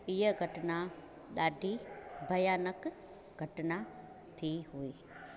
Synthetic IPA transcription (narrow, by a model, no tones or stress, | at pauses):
ijəɡʱɐʈɐna | d̪aːɖibʱɐjaːnɐk | ɡʱɐʈɐna | t̪ʰiɦui